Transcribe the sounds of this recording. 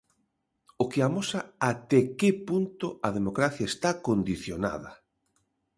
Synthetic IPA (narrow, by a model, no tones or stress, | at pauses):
ʊkɪamosaat̪ɛkɪpunt̪ʊɐðemokɾaθjaest̪akond̪iθjona̰ðɐ̰